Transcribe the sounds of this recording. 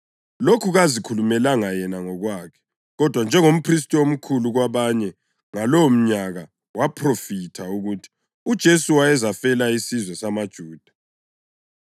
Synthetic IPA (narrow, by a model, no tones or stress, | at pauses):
lokʰuɣazikʰulumɛlaŋajɛnaŋɔɣwaːkʰɛ̥ | ɣɔd̥ʱwand͡ʒʱɛŋom̩pʰris̬tʼɔom̩kʰuluɣwaβaɲɛ | ŋalɔom̩ɲaɣa | wapʰrofitʰauɣutʰi̥ | ud̥ʒ̥ʱesuwaɛzafɛlaisizwɛsamad̥ʒ̥ʱuːd̥ʱḁ